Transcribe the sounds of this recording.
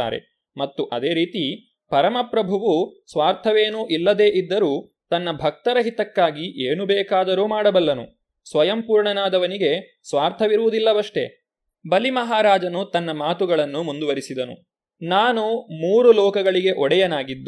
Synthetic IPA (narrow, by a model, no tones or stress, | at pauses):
a̰ːɾe̞̰ | mɐt̪ːuʔɐd̪eːɾiːt̪i | pɐɾɐmɐpɾɐbʱuʋusʋaːɾt̪ʰɐʋeːnuːʔilːɐd̪e̞ːʔid̪ːɐɾuː | t̪ɐnːɐbʱɐk̚t̪ɐɾɐɦit̪ɐkːaːɡiʔeːnubɛːkaːd̪ɐɾuːmaːɽɐbɐlːɐnṵ | sʋɐjɐmpuːɾɳɐnaːd̪ɐʋɐniɡe̞ | sʋaːɾt̪ʰɐʋiɾuʋud̪ilːɐʋɐʂʈe̞̰ | bɐlimɐɦaːɾaːd͡ʒɐnut̪ɐnːɐmaːt̪uɡɐɭɐnːumund̪uʋɐɾisid̪ɐnṵ | naːnumuːɾulɔːkɐɡɐɭiɡe̞ʔɔɽɛjɐnaːɡid̪ːu